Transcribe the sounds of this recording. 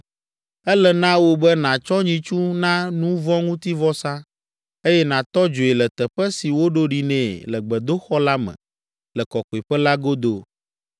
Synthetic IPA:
ɛ˦lɛ˨nã˦wo˦bɛ˦nã˨t͡ʃɔ˦ɲĩ˨t͡ʃu˦nã˦nũ˦vɔ̃˦ŋũ˦t̪i˦vɔ˦sã˦ | e˦jɛ˦nã˨t̪ɔ˦d͡ʒo˨e˨lɛ˨t̪ɛ˨ɸɛ˦si˨wo˦ɖo˦ɖi˨nɛ̃˨lɛ˨ɡ͡bɛ˨d̪o˦xɔ˦la˦mɛ̰̃˨ | lɛ˨kɔ˨ko˨e˨ɸɛ˦la˦ɡo˦d̪o˨

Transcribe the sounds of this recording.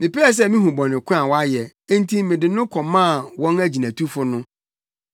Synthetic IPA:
mɪ̃˨pɛ˦ɛ˨s̬ɛ˦˨mĩ˦ɦũ˨bɔ̃˨nɪ̃˨kʰʊ̃˦a˨wɔ˦a˦jɛ̃˨˦ | n˦tʰi˦mɪ̃˨dɪ̃˨nʊ̃˦kʰɔ̃˨mã˦˨wɔ̃˦næ˦d͡ʑi˨nã˨tʰu˦fʊ˦nʊ̃˦

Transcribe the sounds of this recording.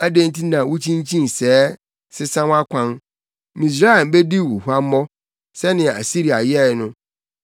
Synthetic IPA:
æ˦dẽ˦n̩˦tʰi˦nã˨wʊ˦t͡ɕʰĩ˦ɲ˦t͡ɕʰĩ˦n˨sɛː˦ | sɪ˦sã˦wa˦kʷʰã˦n | mĩ˨s̬ɾa˦ɛ˨m˨be˦di˦˨wṵ˨hu˦a˦m˦mɔ˦ | sɛ˦nɪ̃˨a̰˨si˦ɾi˨a̰˨jɛ˦˨˦nʊ̃˦

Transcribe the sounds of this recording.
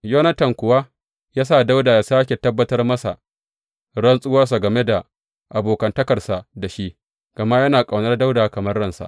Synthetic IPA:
joː˦nɐ˦tɐ˨ŋkʷʊ˨wa˦ | jaː˦sa˦˨da˦wdaː˨jaː˨saː˦kʲe˨tɐ˦bːɐ˦tɐ˦rmɐ˦sa̰˨ʔ | ɽɐ˦nsʼʊ˦wɐ˦rsa˨ɡɐ˨me˦da˨ | ʔa˨boː˨kɐ˨ntɐ˦kɐ˨rsa˨da˨ʃi˦ʔ | ɡ̥ɐ˨ma˦jɐ˦naː˨kʼa˨wnɐ˦rda˦wdaː˨kɐ˨mɐ˦rːɐ˦nsa̰˨ʔ

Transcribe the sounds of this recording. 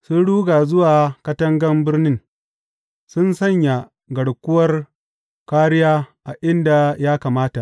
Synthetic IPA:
sʊ˦nɽuː˦ɡaː˨zʊ˦waː˨kɐ˦tɐ˦ŋɡɐ˦mbɪ˦rnɪ˦ŋ | sʊ˦nsɐ˦˨ɲja˨ | ɡɐ˨ɽkʷʊ˦wɐ˦r | kaː˦ɽɪ˦jaː˦ʔa˨ʔɪ˦nda˨jaː˦kaː˨maː˦ta˨ʔ

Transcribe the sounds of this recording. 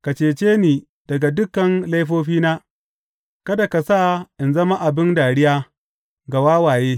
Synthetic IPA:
ka˨t͡ʃeː˨t͡ʃeː˦niː˨ | d̥ɐ˨ɡa˨dʊ˦kːɐ˨nla˦jɸ̬oː˦ɸiː˦naː˦ | kɐ˦da˨ka˨sa˦˨ʔɪ˨nzɐ˦ma˦ʔa˨bɪ˦ndaː˨ɽɪ˦jaː˦ | ɡa˨waː˦waː˨jeː˦

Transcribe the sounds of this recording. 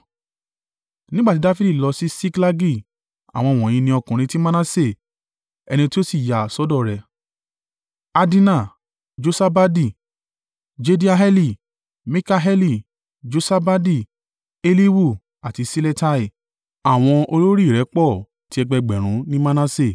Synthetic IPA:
nĩ˦ɡ͡ba˦˨ti˦da˦fi˦di˦˨lɔ˧si˦si˦kla˦ɡi˦˨ | a̰˨w̃ɔ̃˧˨w̃ɔ̃˨j̃ĩ˧nĩ˧ɔ˧kũ˨ɾ̃ĩ˧ti˦mã˦nã˦se˦˨ | ɛ˧nĩ˧ti˦o˦si˦˨ja˨sɔ˦dɔ˦˨ɾɛ˨ | a˧di˦nã˦˨ | d͡ʒo˧sa˦ba˦di˦˨ | d͡ʒe˦di˦a˧ɦɛ˦li˦˨ | mĩ˦ka˦ɦɛ˦li˦˨ | d͡ʒo˧sa˦ba˦di˦˨ | e˧li˦wu˦˨ | a˨ti˧si˦le˦ta˦i˨ | a˨w̃ɔ̃˧o˧lo˦ɾi˦˨ɾɛ˨˦k͡pɔ˦˨ | ti˦ɛ˧ɡ͡bɛ˧ɡ͡bɛ˨ɾ̃ũ˨˦nĩ˦ma˦nã˦se˦˨

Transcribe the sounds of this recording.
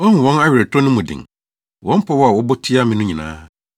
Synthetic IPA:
ɔ˦n˨wɔ̃˦na˦ɥɪ˨ɾɛ˨tʰɔ˦nʊ̃˦mũ˨dɪ̰̃˨ŋ | wʔɔ̃˦m̩˦pʰɔ˦wɔ˦a˨wɔ˦bɔ˦tʰi˦a˦mɪ̃˨nʊ̃˦ɲĩ˨nã̰ː˦

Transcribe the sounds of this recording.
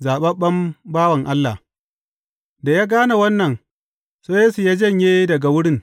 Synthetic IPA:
zaː˨ɓɐ˦ɓɐ˦mbaː˦wɐ˨ŋʔa˦lːa˨ | da˨ja˦ɡaː˦na˨wɐ˦nːɐ˨n | seː˦jeː˦su˨jaː˦d͡ʒɐ˦˨ɲjeː˦dɐ˨ɡa˨wʊ˦ɽɪ˦ŋ

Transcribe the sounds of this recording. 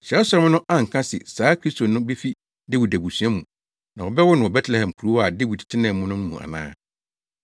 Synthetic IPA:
ɕɛ˨ɛ˦sɔ˦ɾɔ˦m˦nʊ̃˦ʔã˦ŋ̩˨kʰã˦sɪ̰˨saː˨˦kʰɾi˦sto˨nʊ̃˦be˦fi˦ | de˦wi˨dæ˨bu˨sũ˨˦a˦mũ˨ | nã˨wɔ˨bɛ˦wɔ˦nʊ̃˨ɔ˨bɛ˦tʰlɛ˨hɛ̃˨mkʰu˨ɾu˦a˨de˦wi˨dtʰɪ˦nɛ̃˦˨mʊ̃˦nʊ̃˦n̩˦mũ˨ʔa̰˨nã̰ː˦

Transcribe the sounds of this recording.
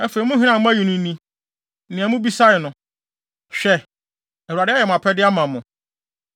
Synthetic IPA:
ɛ˦fe˨i˨mʊ̃˦ɦɪ̃˦nã˦˨mʊ̃˦æ˦ji˨nʊ̃˨˦nĩ˦ | nɪ̃˨a˨˦mʊ̃˦bi˦sa˦ɪ˨nʊ̃˨ | ɕᶣɛ˦ | ɛ˨u˨a˨dɪ˦a˦jɛ˨mʊ̃˨a˨pʰɛ˦dɪ˦a˦mã˨mʊ̃˨

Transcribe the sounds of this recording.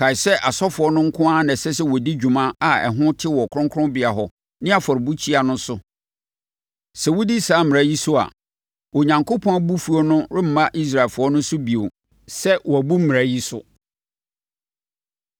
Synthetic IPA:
kʰa˨ɪ˨sɛ˦ʔa˨sɔ˦fʊ˨ɔ˦nʊ̃˦ŋ̩˦kʰʊ̃˦a˦nã˨sɛ˦s̬ɛ˦wɔ˨di˦d͡ʑᶣu˨mã˦a˨ɛ̰˨ɦʊ̃˦tʰɪ˦wɔ˨kʰʊ˦ɾʊ̃˦ŋkʰʊ̃˦bɪ˨a˨ɦɔ˨ | nɪ̃˦a˨fɔ˨ɾɪ˨bu˦t͡ɕʰi˦a˨nʊ̃˦sʊ˦ | sɛ˨wu˦di˦saː˨˦mɪ̃˨æ˨˦ji˦sʊ˦a̰˨ | wɔ˨ɲã˨ŋkʰo˦pʰɔ̃˦bu˦fu˨˦ɔ˦nʊ̃˦ɾɪ˦m̩˨mã˦ʔi˦s̬ɾa˨lfʊ˨˦ɔ˦nʊ̃˦sʊ˦bi˨o̰˨ | sɛ˦wɔ˨æ˨bu˦m̩˦m̃˨æ˨˦ji˦sʊ̰˦

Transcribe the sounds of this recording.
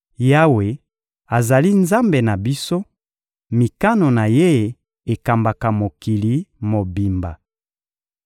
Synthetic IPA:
ja˦we˨ | a˨za˨li˦nza˦mbe˨na˨bi˦so˦ | mi˨ka˦no˨na˨je˦ | e˨ka˨mba˨ka˨mo˨ki˨li˨mo˨bi˨mba̰˨

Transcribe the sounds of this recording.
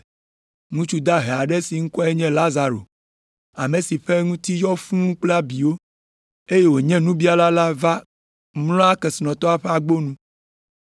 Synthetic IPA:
ŋũ˦t͡ʃu˦d̪a˦ɦɛ˨a˨ɖɛ˦si˨ŋ̩̃˦kɔ˦ɛ˦ɲɛ̃˦la˦za˨ɾo̰˨ | a˨mẽ˨si˨ɸɛ˦ŋũ˦t̪i˦jɔ˦fũ˦k͡plɛ˦a˦bi˨wo˦ | e˦je˦wo˨ɲɛ̃˦nũ˦bi˦a˨la˦la˦va˦ | mlɔ̃˦a˦kɛ˨si˨nɔ̃˨t̪ɔ˦a˨ɸɛ˦a˨ɡ͡bo˦nũ˦

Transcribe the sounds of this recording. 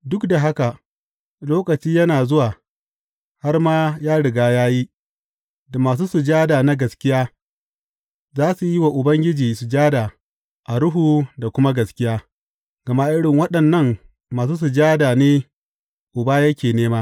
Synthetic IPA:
dʊ˦kda˨ɦa˦ka˨ʔ | loː˦kɐ˨t͡ʃiː˦jɐ˦naː˨zʊ˦waː˨ | ha˦rmaː˦jaː˦ɽɪ˨ɡaː˦jaː˦ji˦ | da˨maː˨s̬uː˦su˨d͡ʒaː˦daː˨na˦ɡɐ˨skʲɪ˦jaː˦ | zaː˦su˨ji˦wa˨ʔʊ˨bɐ˦ŋɡʲɪ˦d͡ʒiː˨su˨d͡ʒaː˦da˨ | ʔa˨ɽʊ˦ɦuː˨da˨kʷʊ˦ma˦ɡɐ˨skʲɪ˦jaː˦ | ɡ̥ɐ˨ma˦ʔɪ˦ɽɪ˨ŋwɐ˦ɗɐ˨nːɐ˦ŋ | maː˨s̬uː˦s̬u˨d͡ʒaː˦daː˨neː˦ | ʔʊ˨baː˦jɐ˦kʲeː˨neː˦maː˦

